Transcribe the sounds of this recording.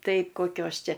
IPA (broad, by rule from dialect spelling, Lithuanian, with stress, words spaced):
ˈtɐɪ koːˈkʲoːs ˈt͡ʃʲɛ